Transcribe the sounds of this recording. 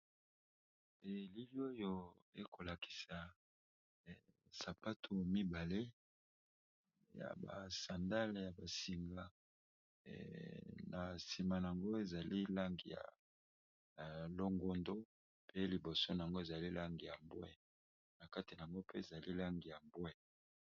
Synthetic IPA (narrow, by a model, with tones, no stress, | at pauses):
e˨li˦li˦o˦jo˦ḛ˨kʰo˨la˨ki̥˨sa˨ | sa˨pa˦tʰo˨mi˦ba˨le˦ | ja̰˨ba̰˨sa˨nda˦lja˨ba˨si˨ŋɡa̰˨ | na˨si˨ma˨na˨a˨ŋɡo˦e˨za˨li˦la˦ŋɡḭ˨ja̰˨ | lo˦ŋɡo˦ndo˦ | pʰe˦li˨bo˨so˦na˨ŋɡo˦e˨za˨li˦la˦ŋɡi˨ja˨mbwɛ̰˦ | na˨ka˦ti˨na˨a˨ŋɡo˦pe˦e˨za˨li˦la˦ŋɡi˨ja˨mbwɛ˦